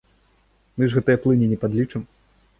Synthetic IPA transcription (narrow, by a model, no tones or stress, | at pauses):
mɨʐɣɛt̪ɐjɐplˠɨnʲinʲɛpad̪lʲit͡ʂɨm